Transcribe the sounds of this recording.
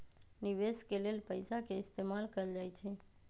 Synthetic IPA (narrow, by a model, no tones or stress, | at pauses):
niʋeskelelpəjsakeɪst̪emalkəɾd͡ʒajt͡ʃʰe